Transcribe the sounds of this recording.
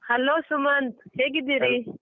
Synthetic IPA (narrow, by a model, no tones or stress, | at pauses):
hɐlosumɐnd̪heɡid̪iɾi